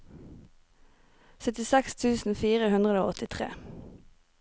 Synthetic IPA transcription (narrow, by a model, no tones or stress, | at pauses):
sœt̪ɪsɛkst̪ʰʉːsn̩fiːʁəhʉnd̪ʁəd̪oːɔt̪ɪt̪ʰʁḛː